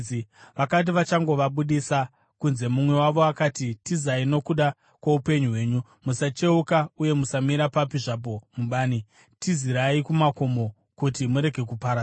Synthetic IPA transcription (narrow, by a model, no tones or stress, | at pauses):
iʋakat̬iʋat͡ʃaŋɡo̞ʋaɓuɗisa | kunze̞mumwe̞waʋo̞akaːtitizaino̞kuɗa | kwaupe̞ɲuɦwe̞ːɲu | musat͡ʃe̞ukauje̞musamiɾapapiʐap̬o̞muɓaːni | tiziɾaikumako̞mo̞ | kutimuɾe̞ɡʱe̞kupaɾa